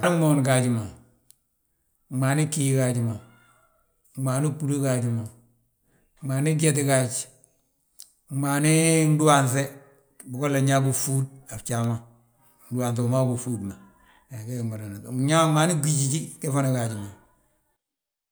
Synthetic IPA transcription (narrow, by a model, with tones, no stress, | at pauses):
ni˦mo˦nka˨ɟi˨ma˨ | maː˨ni˦kːi˦ji˨ka˨ɟi˨ma˨˦ | ma˨ni˦pu˦lo˦ka˨ɟi˨ma˨˦ | maː˨ni˦ɡe˦t̬i˦ka˨t͡ʃ | maː˨ni˦n˦du˦wa˨nse˦ | bu˨ko˦le˨ɲa˦ku˨fu˦d̚a˨ft͡ʃa˨ma˦ | n̩˦du˦wa˨ns̬e˨u˨ma˦ku˨fuː˦dma˨ | na˨ke˦˨ma˨ɾa˨na˨ɲa˦ma˨ni˦ɡi˦ɟi˨t͡ʃi˦ke˦fa˦na˨ka˨ɟi˨ma˨